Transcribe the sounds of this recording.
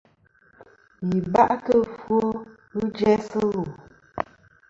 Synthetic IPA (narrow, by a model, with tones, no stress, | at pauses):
ji˨ba˦ʔkə˦fo˦ | ɣɨ˦d͡ʒɛ˦sə˦ɣu˨